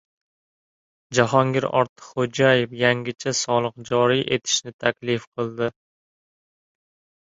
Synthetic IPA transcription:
d͡ʒaɦɒŋɡʲɪɾɒ̰ɾt̪ʰɨ̥χχod͡ʒajɪfjaŋɡʲɪt͡ʃʰasɒlˠɨqd͡ʒɒɾijʔe̞t̪ʰɪ̥ʃnɪt̪ʰakʲlɪfqʰɨlˠd̪ɪ

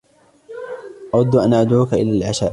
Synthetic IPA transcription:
ʔɑɾˤɑd̪ːʊʔanʔad̪ʕuːkaʔɪ̰laːlʕaʃaːʔ

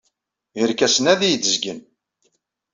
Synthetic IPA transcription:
əɾkæsənæðijəd̪əzɡən

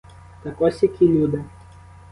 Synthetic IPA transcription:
t̪ɐkɔsʲjɐkʲilʲud̪ɪ

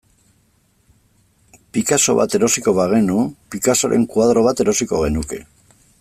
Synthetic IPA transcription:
pikaso̞βa̰t̪e̞ɾo̞siko̞βaɣ̞e̞nupikasoɾʔe̞̰ŋkwað̞ɾo̞β̞at̪e̞ɾo̞siko̞ɣe̞nuke̞̰

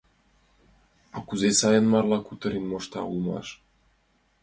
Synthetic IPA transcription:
ɑkuzesɑjənmɑrlɑkut̪ə̆ɾinmoʃt̪ɑ̰ulmɑ̰ʃ

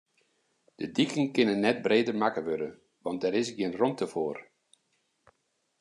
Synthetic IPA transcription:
d̥ədikəŋkɪnənːɛt̚breːdərmakəʋødə | ʋɑnt̚dɛɾɪsɡjɪənrontəfoːr

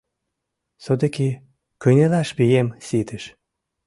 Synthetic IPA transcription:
sod̪eki | kɯjnʲelɑʃbijemsit̪əʃ

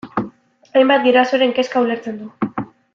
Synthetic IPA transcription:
ajmbat̪̚ɡiɾoaso̞ɾe̞ŋke̞skauleɾt͡se̞nd̪u

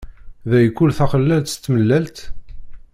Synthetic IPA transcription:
ðæjkːulθæχəlːælt̪st̪ːməlːælt̪

